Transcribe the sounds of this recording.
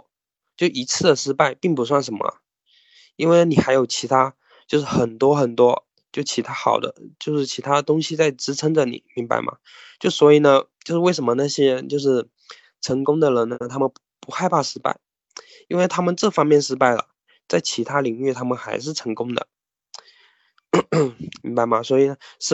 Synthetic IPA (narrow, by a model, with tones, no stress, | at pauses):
t͡ɕjo˥˩i˧˥t͡sʰɹ̩˥˩d̪ə˩ʂɻ̩˥pa˥˩ɪpi˥˩ŋpu˧˥s̬wa˥˩nʂə˧˥nmɐ̰˧˩ | i˥nwe˥˩ɪn˩ni˨˩xa˧˥ɪjo˨˩ʊt͡ɕʰi˧˥t̪ʰa˥ | t͡ɕjo˥˧ʊʂ̬ɻ̩˥˩xə˨˩nt̪wɔ˥xə˨˩nt̪wɔ˥ | t͡ɕjo˥˧˩ʊt͡ɕʰi˧˥t̪ʰa˥xɑ˨˩ʊd̪ə̰˦t͡ɕjo˥˧ʊʂɻ̩˥˩t͡ɕʰi˧˥t̪ʰa˥d̪ə˨t̪ʊ˥ŋɕi˨˧t͡sa˥˩ɪʈ͡ʂɻ̩˧˥ʈ͡ʂʰə˥ŋd͡zə˨nḭ˨˩˦mi˧˥ŋba̰˧˥ɪmʔɐ̰˩ | t͡ɕjo˥˧ʊʂswɔ˧˥i˨˩nə˦t͡ɕjo˥˧ʊʂɻ̩˥˧we˥˩ɪʂ̬ə˧˥mə˧na˥˩ɕjɛ˥˧t͡ɕjo˥˧ʊʂɻ̩˥˩ | ʈ͡ʂʰɤ˧˥ŋkʊ˥ŋd̪ə˨ɻə˧˥nnəə˧t̪ʰa˥mə˨n | pu˧˥xa˥˧ɪpʰa˥˩ʂɻ̩˥pa̰˥˩ɪ | i˥nwe˥˩ɪt̪ʰa˥mə˨nʈ͡ʂɤ˥˩fɑ˥ŋmjɛ˥˩nʂɻ̩˥pa˥˩ɪlə̰˩ | t͡sa˥˩ɪt͡ɕʰi˧˥t̪ʰa˥li˨˥ŋy˥˩t̪ʰa˥mə˨nxa˧˥ɪʂ̬ɻ̩˥˩ʈ͡ʂʰɤ˧˥ŋkʊ˥ŋd̪ə̰˨ | mi˧˥ŋba˧ɪmɐ˩swɔ˧˥i˨˩nə˦ʂɻ̩˥